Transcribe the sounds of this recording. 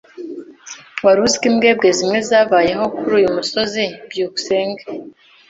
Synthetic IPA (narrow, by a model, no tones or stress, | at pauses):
waɾuzkimɡe̞ːbɡe̞zimŋe̞zaːβaːje̞ɦo̞kuɾuːjumuso̞zibjuːku̥seːŋɡe